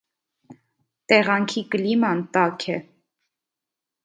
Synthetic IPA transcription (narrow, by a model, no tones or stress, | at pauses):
t̪ɛʁɑŋkʰikəlimɑnt̪ɑkʰɛ